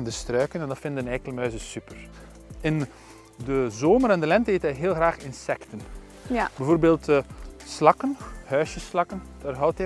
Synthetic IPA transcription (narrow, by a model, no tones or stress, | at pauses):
ndəstrœːkənɛndɔfɪndənɛkələmœːzəsypər | ɪn | dəzoːməɾɛndəlɛntəeːtɛjɦɪːlˠxraːxɪnsɛktən | bɛjvoːrbeːlˠtslɑkənhœːsjəslɑkən | d̥aːrɦɔwtɛ